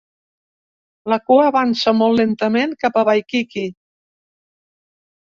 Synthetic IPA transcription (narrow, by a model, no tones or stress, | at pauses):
ləkuəːβansəmɔlˠːent̪əmeŋkapəβajkiki